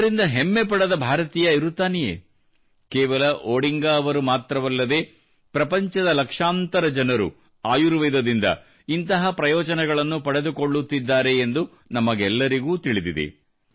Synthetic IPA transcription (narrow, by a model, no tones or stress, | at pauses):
ɾind̪ɐɦemːepɐɽɐd̪ɐbʱaːɾɐt̪iːjɐiɾut̪ːaːnɛjḛː | kɛːʋɐlɐʔoːɽiŋɡaːɐʋɐɾumaːt̪ɾɐʋɐlːɐd̪e̞ː | pɾɐpɐɲt͡ʃɐd̪ɐlɐkʂaːnt̪ɐɾɐd͡ʒɐnɐɾṵ | aːjuɾʋɛːd̪ɐd̪ind̪ɐ̰ | int̪ɐɦɐpɾɐjɔːd͡ʒɐnɛɡɐɭɐnːupɐɽe̞d̪uko̞ɭːut̪ːid̪ːaːɾe̞ːnd̪u | nɐmɐɡɛlːɐɾiɡuːt̪iɭid̪id̪ḭ